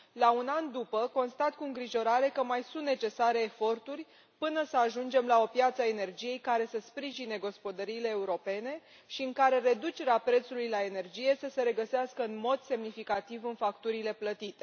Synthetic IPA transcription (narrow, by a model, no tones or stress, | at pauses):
launand̪upəko̞nst̪at̪kuɨŋɡɾiʒo̞ɾaɾe̞kəmajsunt̪ne̞t͡ʃe̞saɾe̞ːfo̞rt̪urʲ | pɨnəsəaʒund͡ʒe̞mlao̞pjat̪sae̞ne̞rd͡ʒije̞jkaɾe̞səspɾiʒineɡo̞spo̞d̪əɾiːle̞ːuɾo̞pe̞ne̞ | ʃiɨŋkaɾe̞ɾe̞d̪ut͡ʃe̞ɾeapɾe̞t̪sulujlae̞ne̞rd͡ʒije̞səse̞ɾe̞ɡəseaskəɨnmo̞d̪se̞mnifikat̪ivɨnfakt̪uɾile̞plət̪it̪e̞